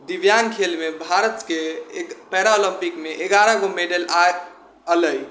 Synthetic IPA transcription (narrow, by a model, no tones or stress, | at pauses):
d̪iʋjankʰelmebʱaɾət̪kepɛɾaoləmpikmeʔeɡaɾəɡomeɖəla | ələj